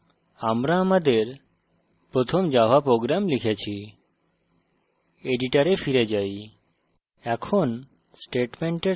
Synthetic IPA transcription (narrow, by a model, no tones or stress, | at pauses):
amɾaːmad̪eɾ | pɾot̪ʰomd͡ʒaɦapɾoɡɾamlikʰet͡ɕʰi | eɖiʈaɾefiɾed͡ʒaj | ɛkʰon | sʈeʈmeɳʈe